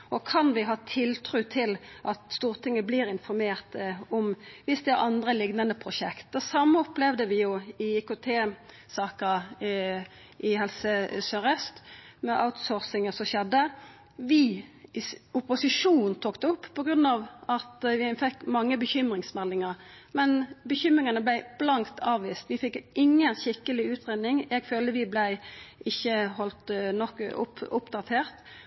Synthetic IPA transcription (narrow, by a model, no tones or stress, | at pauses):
ʔɔkʰɑnʋɪɦɑːt̪ʰɪlt̪ʰɾʉːt̪ʰɪlʔɑt̪st̪uːʁt̪ʰɪŋːəbliːɾɪnfɔɾmeːʁt̪ɔmʋɪsd̪ɛæɾʔɑnd̪ɾəlɪɡnɑnəpʰʁʊʃɛkt̪̚d̪ɛsɑmːəɔplɛʋd̪əʋɪjʊɪɪkʊt̪ʰeː | sɑːkə | ʔɪɦɛlsəsœɾɛst̪mɛʔa̰ʊt̪sɔːʁsɪŋəsɔʃɛd̪ːə | ʋɪ | ʊpʊsɪʂuːnnn̩t̪ʰoːkt̪əʊpːpʰɔɡɾʉnːɑːʋɑt̪ʋɪfɛkːmɑŋːəbəçʏmɾɪŋsmɛlːɪŋəɾmɛnbəçʏmʁɪŋənəblæɪb̥lɑŋt̪ʰɑːʋʋiːst̪ʋɪfɪkːʔɪŋːənçɪkːəlɪʉːt̪ʰʁeːd̪nɪŋɛɡføːləʋɪblæɪɪçːəhɔlt̪nɔkːʊ̰pʊpd̪ɑt̪ʰeːʁt̪